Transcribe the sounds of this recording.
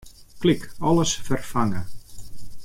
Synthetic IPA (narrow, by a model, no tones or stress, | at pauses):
klikɔlˠəsfərfaŋə